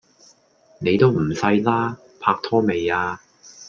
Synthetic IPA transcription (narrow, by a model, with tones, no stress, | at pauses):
ne˨˧jt̪o˥wm̩˨˩sɐ˧jlaː˥ | pʰaː˧k̚t̪ʰɔː˥me˨jaː˧